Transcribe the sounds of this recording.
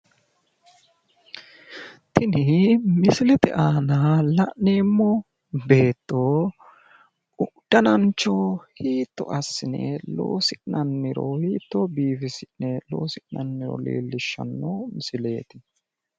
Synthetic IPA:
t̪ɪnɪmɪsɪlɛt̪ɛ̰ʔaːnalɐʔneːmːɔ | be̞ːt̪ːoː | ʊd̪̥ːɐnɐnt͡ʃːoːhiːt̪ːɔ̰ʔɐsːɪnɛ̰lo̰ːsɪnɐnːɪɾɔhiːt̪ːoːbiːfɪsɪnnɛlo̞̰ːsɪʔnɐnːɪɾɔ̰lḭːlːɪʃːɐ̰nːoːmɪsɪle̞ːt̪ɪ

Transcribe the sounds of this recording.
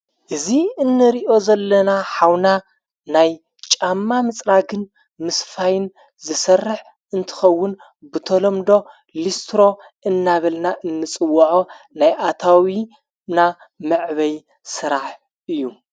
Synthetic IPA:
ʔɨziɨnːɨɾiʔo̞zɐlːɐnaħawna | naj | t͡ʃʼamːamɨt͡sʼɾaɡɨn | mɨsfajɪn | zɨsɐrːɨħ | ʔɨnt̪ʰɨ̥xɐwːʊn | bɨt̪ʰolomd̪o̞ | list̪ɾo̞ | ʔɨnːaβɐlnaʔɨnːɨt͡sʼɨwːɐʕo̞ | najʔat̪ʰawi | na | mɨʕβɐj | sɨɾaħ | ʔɨjːu

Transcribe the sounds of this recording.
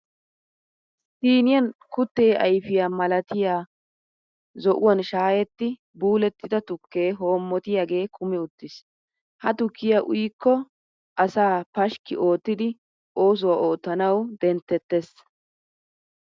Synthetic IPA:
siːnɪjɐnkʊt̪ːeːʔɐjfɪjaːmɐlɐt̪ɪjaː | zɔʔʊwɐnʃaːjɛt̪ːɪ | buːlɛt̪ːɪd̪ɐt̪ʊkːe̞ːɦo̞ːmːɔt̪ɪjaːɡe̞ːkʰʊmɪʊt̪ːɪs | hɐt̪ʊkːɪjaʔʊ̰jkːɔ | ʔɐsaːpɐʃkɪ̰ʔo̞ːt̪ːɪd̪ɪ | ʔo̞ːs̬ʊwaʔo̞ːt̪ːɐnɐwd̪ɛnt̪ːɛt̪ːes

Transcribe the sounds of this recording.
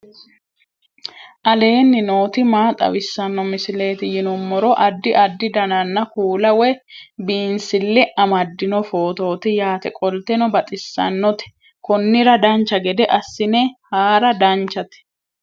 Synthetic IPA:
ʔɐle̞ːnːɪno̞ːt̪ɪmaːt̪ʼɐ̰wɪsːɐnːɔmɪsɪle̞ːt̪ɪjɪnʊmːɔɾɔʔɐd̪ːɪʔɐd̪ːɪd̪ɐnɐnːɐkuːlɐwɛbiːnsɪlːɛʔɐmɐd̪ːɪnɔfo̞ːt̪o̞ːt̪ɪjaːt̪ɛkʼɔlt̪ɛnɔbɐt̪ʼɪsːɐ̰nːɔt̪ɛ̥ | kɔnːɪɾɐd̪ɐnt͡ʃːɐɡɛd̪ɛʔɐsːɪnɛhaːɾɐd̪ɐnt͡ʃːɐt̪ɛ̥

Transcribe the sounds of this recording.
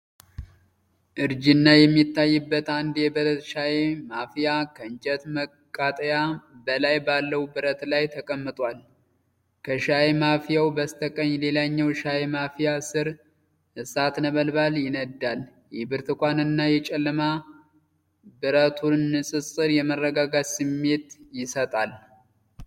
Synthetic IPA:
ʔɨɾd͡ʒɪnːajɛmːit̪ːajːɨbːət̪and̪jɛbɨɾət̪ʃaemafijakʰəɨnt͡ʃʼɛt̪mə | kʼːat̪ʼəjabəlajbalːəwubɨɾət̪lajt̪ʰəkʼəmːɨt̪ʼwal | kʰəʃaemafijawbəst̪ʰəkʼəɲːle̞laɲːɛwʃajemafijasɨɾ | hɨsat̪nəβəlbaljɪnəd̪ːal | jɛbɨɾt̪ɨkʷanɨnːajɛt͡ʃʼɛlːɨma | bɨɾət̪ʰunːɨsʼɨsʼɨɾjɛmərːəɡaɡasɨmːe̞t̪jɪsət̪ʼal

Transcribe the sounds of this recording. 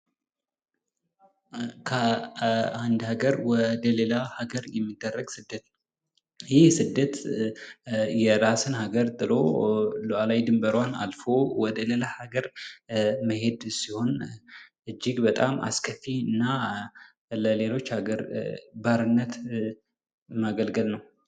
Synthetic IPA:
kʰə | and̪haɡəɾwɔd̪əlelahaɡəɾjɛmːid̪ːərːəɡsɨd̪ːət̪ | jɪhsɨd̪ːət̪ | jɛɾasɨnhaɡəɾt̪ʼɨloluʔalajd̪ɨmbəɾwana̰lfo̞wɔd̪əlelahaɡəɾ | məɦe̞d̪siho̞nʔɨd͡ʒːɪɡbət̪ʼama̰skʰəfːiɨnːa | ləle̞lo̞t͡ʃːhaɡəɾbaɾɨnːət̪ | maɡəlɡəlnəw

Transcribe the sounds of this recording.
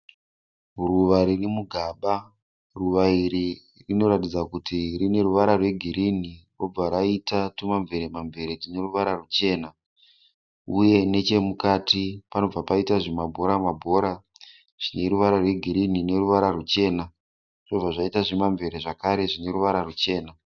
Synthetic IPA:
uruʋaɾirimuɡʱaːɓa | ruʋaiɾi | rino̞ɾatid͡zakutirine̞ruʋaɾarwe̞ɡʱiɾiniro̞b͡vaɾaitatumaɱvʱe̞ɾemaɱvʱe̞ɾetine̞ruʋaɾarut͡ʃe̞ːna | uje̞ne̞t͡ʃe̞mukaːtipano̞b͡vapaitaʐimabʱo̞ɾamabʱo̞ɾa | ʐ̥ine̞ɾuʋaɾarwe̞ɡʱiɾinine̞ruʋaɾarut͡ʃe̞ːna | ʐo̞b͡vaʐaitaʐimaɱve̞ɾeʐakaɾe̞ʐine̞ɾuʋaɾarut͡ʃe̞ːna

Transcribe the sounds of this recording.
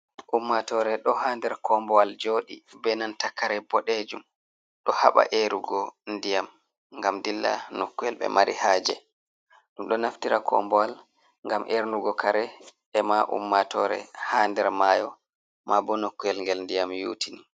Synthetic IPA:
ʔumːatɔɾɛɗɔhaːndɛɾkʰɔmbɔwald͡ʒoːɗibɛnantakːaɾɛbɔɗed͡ʒum | ɗɔha̰ɓa̰ʔeɾuɡɔndijam | ŋɡamdilːa̰nokːujɛlɓɛ̰maɾḭhaːd͡ʒɛ̰ | ɗumɗɔnaftiɾakʰɔ̰mbɔwal | ŋɡamʔeɾnuɡɔkʰaɾɛ | ɛmaʔṵmːatɔɾɛ̰haːndɛɾmajɔ | mabɔnokːujɛlŋɡɛlndijamjṵːtʰini

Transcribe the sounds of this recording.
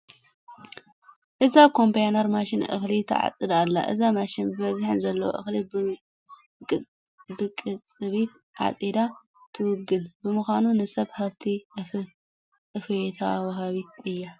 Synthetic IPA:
ʔɨzakʰo̞mpʰejnɐɾmaʃɪnʔɨ̰xlit̪ʰɐ̰ʕa̰t͡sʼːɨd̪alːa̰ʔɨ̰zamaʃɪnbɨbɐzħɨnzɐlːɐwo̰ʔɨxli | bɨkʼɨt͡sʼɨβit̪ | ʕa̰t͡sʼed̪a | t̪ʰɨwʊɡːɨnbɨmɨxʷanunɨsɐβhaβt̪ʰi | ʔɨfet̪ʰa̰wɐɦaβit̪̚ɨjːa

